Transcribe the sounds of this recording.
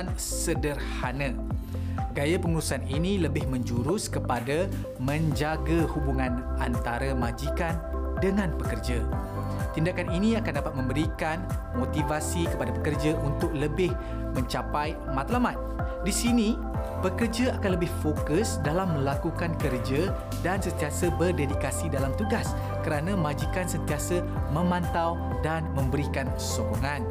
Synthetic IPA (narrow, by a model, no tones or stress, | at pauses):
n | sədərhanã | ɡajapəŋuɾusaninĩləbɪhmə̃ɲd͡ʒuɾʊskəpada | mə̃ɲd͡ʒaɡahubuŋãnant̪aɾamad͡ʒikandəŋãnpəkərd͡ʒa | t̪indakaninĩakandapat̪̚mə̃mbəɾikanmot̪ivasikəpadapəkərd͡ʒaʔunt̪ʊk̚ləbɪh | mə̃ɲt͡ʃapaj | mãt̪lamat̪̚disinĩ | pəkərd͡ʒaakanləbɪhfokʊsdalamːə̃lakukankərd͡ʒa | dansənt̪iasabərdedikasidalamt̪uɡas | kəɾanãmãd͡ʒikansənt̪iasə | mə̃mãnt̪aw | danmə̃mbəɾikan | sokoŋãn